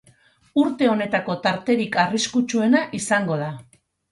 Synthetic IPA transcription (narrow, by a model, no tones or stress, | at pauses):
uɾt̪e̞o̞ne̞t̪ako̞t̪aɾt̪e̞ɾikariskut͡ʃue̞naʔisaŋɡo̞ð̞a